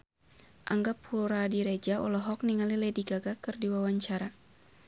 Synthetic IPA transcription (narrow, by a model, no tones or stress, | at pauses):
ʔaŋɡaphuɾadiɾɛd͡ʒaɔ̰lɔɦɔk̚niŋalilɛdiɡaɡakɨrdiwawaɲt͡ʃaɾa